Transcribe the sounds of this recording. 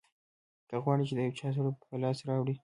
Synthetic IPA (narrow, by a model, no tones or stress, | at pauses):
kəɣwɑɽit͡ʃed̪əjawt͡ʃɑs̬aɽoppəlɑsɾɑwɽi